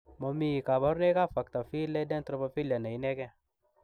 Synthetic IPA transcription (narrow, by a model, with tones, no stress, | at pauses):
ma˨mi˦˨ka˨ba˦ɾne˦ka˦˨fa˨kt̪a˨fi˦le˦dɛ˦n˦t̪ɾɔ˦pa˧fi˦la˨na˨i˦nɛ˦kɛ˦